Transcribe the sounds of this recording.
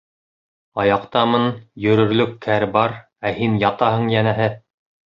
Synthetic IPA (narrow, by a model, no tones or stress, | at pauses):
ɑjɑqt̪ɑmɤnjɵ̆ɾɵ̆ɾlɵkʰːæɾbɑɾ | æhinjɑt̪ɑɦɤ̆ɴjænæɦɘ